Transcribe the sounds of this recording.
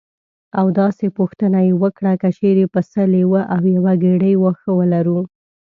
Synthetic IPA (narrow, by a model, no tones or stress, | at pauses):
awd̪ɑsepuxt̪ənajewəkɽakət͡ʃeɾepəsəlewəʔawjawaɡeɽəjwoxəwəlaɾu